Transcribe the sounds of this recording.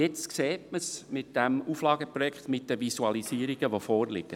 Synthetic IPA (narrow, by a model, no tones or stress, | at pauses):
jɛt͡stkseːtməsmɪtd̥ɛmuːflɑːɡəpɾɔjɛkχt̪mɪt̚d̥əʋisuɑlisiːəɾiɡ̥əʋofɔːɾlɪ̰ɡ̥ə